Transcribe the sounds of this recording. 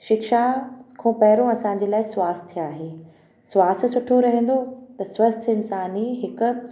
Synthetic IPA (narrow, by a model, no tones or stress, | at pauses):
ʃɪkʃakʰõːpɐɦɪɾõɐsãːɲ̆d͡ʑeːlaːɪswaːst̪ʰaːɦeː | sʋaːst̪̆sʊʈʰoɾɐɦẽn̆d̪ot̪ɐswɐst̪ʰɪnsaːniɦɪkʊ̆